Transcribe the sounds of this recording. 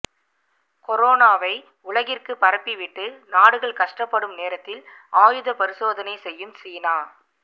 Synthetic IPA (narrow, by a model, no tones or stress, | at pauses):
kɔɾoːnaːʋɐɪ | ʊɭɐɣɪrkɯpɐɾɐpːiʋɪʈːɯnaːɽɯɣɐɭkɐʂʈɐpːɐɽɯmneːɾɐt̪ːɪl | aːjɯðɐpɐɾɪsoːðɐnɐɪsɛjːɯmsiːnaː